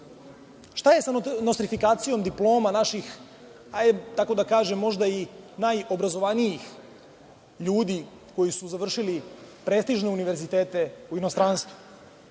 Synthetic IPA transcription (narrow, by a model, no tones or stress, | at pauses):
ʃt̪aje̞sanost̪ɾifikaːt̪sijo̞md̪iplˠo̞ːmanaʃix | aet̪ako̞d̪akaːʒemːo̞ʒd̪ainajo̞bɾazo̞ʋaniix | ʎuːd̪i | ko̞jisuzaʋr̩ʃilipɾeːst̪iʒneuniʋe̞ɾzit̪eːt̪e̞uino̞st̪ɾanst̪ʋu